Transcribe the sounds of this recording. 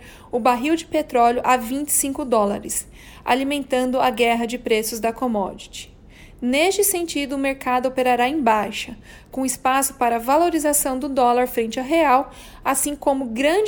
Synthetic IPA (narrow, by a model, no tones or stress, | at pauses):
ʊbaɦiwd͡ʒɪpet̪ɾɔljʊʔavĩnt͡ʃɪ̥sĩŋkʊd̪ɔlɐ̰ɾɪs | a̰limẽnt̪ɐ̃nd̪ʊaɡɛɦɐd͡ʒɪpɾesʊzd̪ɐkomɔ̰d͡ʒit͡ʃɪ̥ | nest͡ʃɪsẽnt͡ʃid̪ʊːmeɾkad̪ʊopeɾaɾaẽj̃bajʃɐ | kõɪspasʊ̥paɾɐvaloɾizasɐ̃w̃d̪ʊd̪ɔlɐɾfɾẽnt͡ʃɪaɦeaw | asĩkõmʊɡɾɐ̃d͡ʒ